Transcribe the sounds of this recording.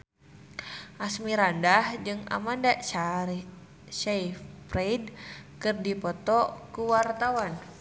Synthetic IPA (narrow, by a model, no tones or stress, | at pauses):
ʔasmiɾandahd͡ʒɨŋa̰manda | ʃaifpreidkɨrdipɔt̪ɔkuwart̪awan